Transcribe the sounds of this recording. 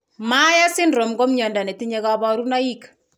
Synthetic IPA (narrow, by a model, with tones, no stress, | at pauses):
ma˦ja˦sɪ˦ndɾo˨mɡo˦mɲɔ˨nda˨ne˨ti˦ɲe˦ɣa˦bɔ˦ɾu˦na˦ji˦k